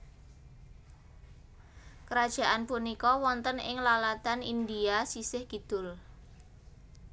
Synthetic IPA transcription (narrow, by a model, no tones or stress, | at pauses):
kəɾad̥ʒ̥a̤ʔanpunikɔwɔnt̪ənɪ̰ŋlalat̪anḭnd̪iasisɪhɡ̥id̪̥ʊ̤l